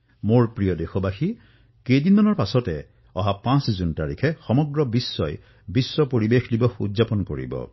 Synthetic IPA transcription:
moɹpɹijɔdexɔbaxi | kejdinmanɔɹpasɔtɛ | ɔɦapãszuntaɹikʰɛxɔmɔɡɹɔbisːɔj | bisːɔpoɹibexdibɔxṵdzapɔnko̰ɹḭbɔ̰

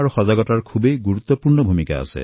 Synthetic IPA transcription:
aɹuxɔzaɡɔtaɹkʰubejɡuɹut̪ːɔpuɹnɔbʱumika̰a̰sɛ̰

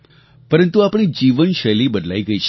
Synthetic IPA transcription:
pəɾənt̪uapɽ̃id͡ʒiʋənʃəlibəd̪la̰iɡəiʃ

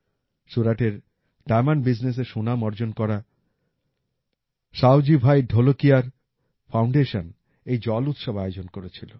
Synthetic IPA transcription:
ʃuɾaʈeɾ | ɖajmanbid͡ʑnes̬eʃonamɔɾd͡ʑonkɔɾa | ʃawd͡ʑibʱajɖʱolokiaɾ | fʰawɳɖeʃon | ejd͡ʑɔlut̪ʃobaeod͡ʑonkoɾet͡ɕʰilo

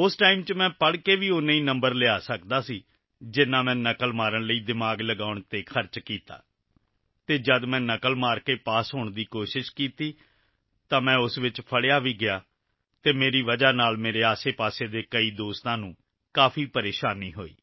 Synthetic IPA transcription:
ʊsʈaːiːmt͡ʃmɛ̃ːpəɽkeːʋiːʊniːnəmbəɾlɪaːsəkd̪aːsiː | d͡ʒɪnːãːmɛ̃ːnəkəlmaːɾəɳləiːd̪ɪmaːɡləɡaːʊɳt̪eːkʰəɾt͡ʃkiːt̪a̰ː | t̪eːd͡ʒəd̪mɛ̃ːnəkəlmaːɾkeːpaːsɦoːɳd̪iːkoːʃɪʃkiːt̪iː | t̪ãːmɛ̃ːʊsʋɪt͡ʃpʰəɽɪjaːʋiːɡɪjaː | t̪eːmeːɾiːʋəd͡ʒaːnaːlmeːɾeːaːseːpaːseːd̪eːkəiːd̪oːst̪ãːnũː | kaːpʰiːpəɾeːʃaːniːɦo̰ːḭː

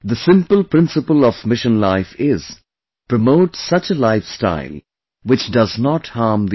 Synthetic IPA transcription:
ðəsɪ̃mpəlˠpɹ̥ɪ̃nsɨpəlˠɔvmɪʃə̃nlaɪfɪz̥ | pɹ̥əmoʊʈsʌt͡ʃəlaɪfsta̰ɪlˠ | wɪt͡ʃdʌznɔthɑɹmd̪i

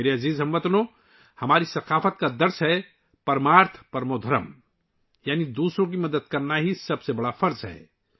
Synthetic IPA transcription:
eɾeɐziːzɦɐmʋɐt̪nõ | hɐmaːɾisɐqaːfət̪̚kad̪ɐɾsɦɛ | pɐɾmaːɾt̪ʰpɐɾmod̪ʱɐɾə̰m | jaːnid̪uːsɾõk̬imɐd̪əd̪̚kɐɾnaɦisɐbsebɐɽafɐɾzɦɛ̰ː

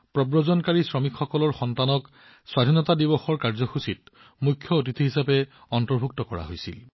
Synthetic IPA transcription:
pɹɔbɹɔzɔnkaɹisɹɔmikxɔkɔlɔɹxɔntanɔk | swadʱinɔtadibɔxɔɹkaɹzɔxusit̚ | mukʰːjɔot̬itʰiɦisapɛ | ɔntɔɹbʱuk̚tɔkɔɹa̰ɦojsḭl

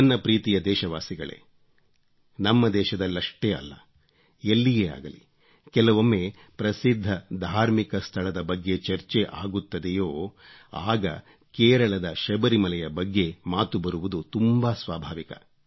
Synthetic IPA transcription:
ɐnːɐpɾiːt̪ijɐd̪ɛːʃɐʋaːsiɡɐɭḛː | nɐmːɐd̪ɛːʃɐd̪ɐlːɐʂʈeːɐ̰lːɐ̰ | elːijeːa̰ːɡɐlḭ | kɛlɐʋomːe̞ː | pɾɐsid̪ʱːɐd̪ʱaːɾmikɐst̪ʰɐɭɐd̪ɐbɐɡːe̞t͡ʃɐɾt͡ʃeʔa̰ːɡut̪ːɐd̪ejoːa̰ːɡɐ̰ | kɛːɾɐɭɐd̪ɐʃɐbɐɾimɐlɛjɐbɐɡːe̞maːt̪ubɐɾuʋud̪ut̪umbasʋaːbʱaːʋikɐ̰

